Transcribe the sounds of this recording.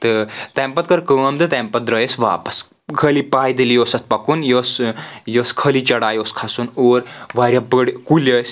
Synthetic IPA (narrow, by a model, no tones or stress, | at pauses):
t̪ət̪ɛ̃mpɐt̪̚kəɾkəːmt̪ɨt̪ɛ̃mpɐt̪̚ɾəjesʋa̰pəs | kʰəlipajd̪eliosɐt̪̚pɐkuːnjosjoskʰəlit͡ʃɐɽaːjoskʰasunoɾʋaɾʲjapəɽkuləs